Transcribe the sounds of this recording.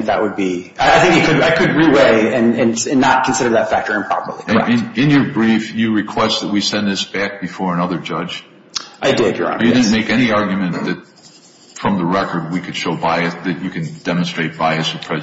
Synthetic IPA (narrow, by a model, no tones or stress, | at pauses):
ðə̰ʔ̚wəd̚bi | aɪaɪθɪ̃ŋkikʰɨdaɪkʰɨd̚ɹiweɪɨ̃nɨ̃nɨ̃nːət̚kʰnsɪɾə˞ðɨtfæk̚tə˞ɨ̃mpʰɹ̥ɑ̰pə̰˞lˠḭkɛ̰ɨ̃nɨ̃njə˞bɹifjɨɹɨkʰw̥ɛst̪̚ðət̚wisɛ̃nðɪsb̥æk̚b̥ɨfɔɹənʌðə˞d͡ʒʌ̥ʒ̥ | ʔaɪdɪdjə̰˞ɑ̰̃jɨdɪd̩ⁿmeɪkɛñiɑɹɡjmɨ̃nðɨt̚ | fɹʌ̃mðəɹɛkə˞d̚wikʰɨd̥ʃoʊbaɪɨsðɨt͡ʃɨkʰɨ̃nd̥ɛmɨ̃n̩stɹ̥eɪt̚b̥aɪɨsɨ̥pʰɹ̥ɛz